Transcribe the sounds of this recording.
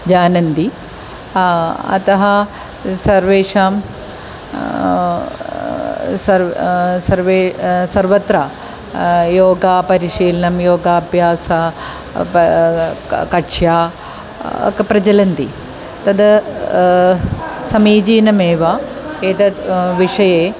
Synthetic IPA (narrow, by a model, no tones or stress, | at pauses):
d͡ʒaːnɐnt̪i | ɐ̰t̪ɐɦɐ | sɐɾʋeːʂaːm | sɐɾsɐɾʋeːsɐɾʋɐt̪ɾa | joːɡaːpɐɾiʃiːlɐnɐmjoːɡaːbjaːsɐ | kɐʈʂjaː | ɐ̰kɐpɾɐd͡ʒɐlɐnt̪i | t̪ɐd̪ɐ | sɐmiːd͡ʒiːnɐmeːʋaeːt̪ɐt̪ʋiʂɐjeː